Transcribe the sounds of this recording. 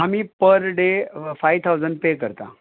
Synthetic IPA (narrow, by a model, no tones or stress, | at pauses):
amiːpəɾɖefajʋt̪ʰawd͡zəɳɖpekəɾt̪a̰